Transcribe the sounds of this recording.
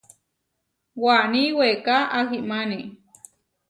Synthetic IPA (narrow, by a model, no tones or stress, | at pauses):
waniwekaʔahimani